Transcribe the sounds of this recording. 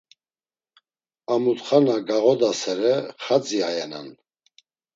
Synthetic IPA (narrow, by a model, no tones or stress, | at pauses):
amut̪χanaɡaʁɔd̪asɛɾɛχad͡ziajɛna̰n